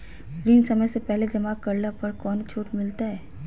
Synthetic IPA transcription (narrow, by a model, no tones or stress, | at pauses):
ɾiːnsɐməjsepɛɦled͡ʒɐmaːkɐɾlapɐɾkɔːnt͡ʃʰoːʈmɪlt̪aɦɛː